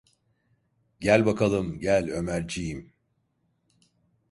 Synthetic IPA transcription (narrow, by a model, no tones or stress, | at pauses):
ɟælʲbakʰalˠɯmɟælʲø̞mæɾd͡ʒijim